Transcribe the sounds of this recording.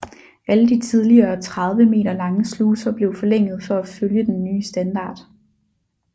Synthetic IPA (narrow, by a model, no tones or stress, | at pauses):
ʔæləd̥it͡sʰið̞ˠliɐːt͡sʰʁɑð̞ˠʋəme̝̰ːɾɐlɑ̈ŋəsluːsɐb̥le̝ʊfɒ̽leŋ̰ð̞̩ˠfɒ̽æføljəd̥enːyːsd̥ænd̥ɑ̰̈ːd̥